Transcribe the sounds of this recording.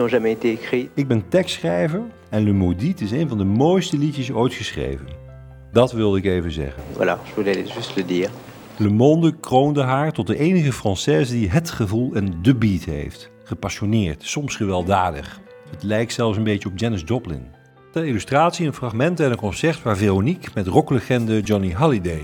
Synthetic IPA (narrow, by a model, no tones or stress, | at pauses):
ɔ̃ʒamɛet̪eekχiɪɡ̚bɛntɛkstsχrɛjvəɹ | ɛnləmoditɪsejnvɑndəmojstəlitəsojtχəsχrḛjvən | dɑtʋɪlˠdəɪkejvənzɛ̰χənvwa̰la̰ʒəvulɛalḛʒystləd̪iːʁ | ləmɔndəkrowndəɦaːɹtɔt̚dəʔejnəχəfrɑnsɛzdiɦətχəvulˠɛndəbitɦḛjft | χəpaʃonɪːɹtsɔmsχəʋɛlˠdaːdə̰χ | ɦətlɛjk̚tsɛlˠfsənbejcəɔb̚d͡ʒɛnəzdɔblɪ̰n | dəilystraːtsiənfraχmɛntəɛnənkɔ̃nsɛɹtʋaːɹveronikmɛtrɔkləχɛndəd͡ʒɔniɦɑlidej